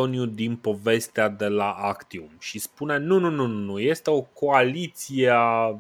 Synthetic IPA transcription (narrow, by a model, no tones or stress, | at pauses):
onjud̪inpo̞ve̞st̪ead̪e̞laʔakt̪iumʃispunenununununuje̞st̪e̞o̞ko̞alit̪siea